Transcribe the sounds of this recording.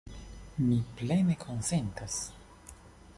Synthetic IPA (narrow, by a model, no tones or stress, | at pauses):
miplenekʰonsent̪as